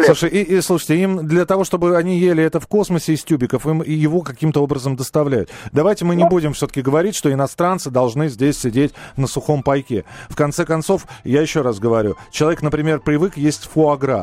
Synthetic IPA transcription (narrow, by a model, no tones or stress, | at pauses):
sˠuʂɨjislˠuʂəjtʲɪimd̪lʲət̪ɐvo̞ʂt̪o̞bɨɐnʲijelʲɪɛt̪əfko̞sməsʲɪːsʲtʲubʲɪkəfɨmijɪvo̞kɐkʲimt̪əo̞bɾəzəmd̪əst̪ɐvlʲæjʊ̰t̪d̪ɐvajtʲɪmɨnʲɪbudʲɪmfsʲot̪ə̥kʲɪɡəvɐɾʲitʲʂt̪oɪnɐst̪ɾant̪sɨd̪ɐlˠʐnɨzʲdʲesʲsʲɪdʲetʲnəsʊxo̞mpɐjkʲefkɐnt̪sɛkɐnt̪so̞fjajɪɕːo̞rasɡəvɐɾʲṵt͡ɕɪlˠɐvʲeknəpɾʲɪmʲe̞rpɾʲɪvɨkjesʲtʲfʊɐɡɾa̰